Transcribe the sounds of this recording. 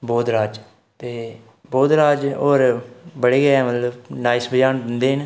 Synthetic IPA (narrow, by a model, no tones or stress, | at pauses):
boːd̪ɾaːd͡ʒ | t̪eː | boːd̪ɾaːd͡ʒoːɾbəɽeːɡɛɛːmət̪ləbnaːisbəd͡ʒaːnbənd̪eːɦən